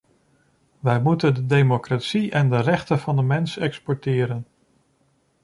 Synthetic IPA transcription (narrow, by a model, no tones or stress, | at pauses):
ʋɛjmutəndədejmokratsiʔɛndərɛχtəv̥ɑndəmɛnsɛkspɔɹtɪːɾən